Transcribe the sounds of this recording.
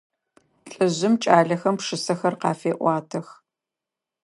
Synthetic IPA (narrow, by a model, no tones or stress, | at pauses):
ɬʼɨʑɪmt͡ʃʼaːɮɐxɐmpʂɨsɐxɐrqɑːfeːʔʷɑːtʰɐx